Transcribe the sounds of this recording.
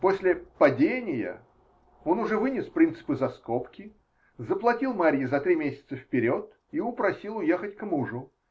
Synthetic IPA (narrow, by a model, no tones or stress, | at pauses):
po̞sʲlʲɪpɐdʲenʲɪjə̰ | o̞nʊʐɛvɨnʲɪspɾʲint̪sɨ̥pɨzɐsko̞pkʲɪ | zəplˠɐtʲilˠmaɾʲjɪzɐt̪ɾʲimʲesʲɪ̥t̪səfpʲɪɾʲo̞t̪ | iʊpɾɐsʲilˠʊjexətʲkmuʐʊ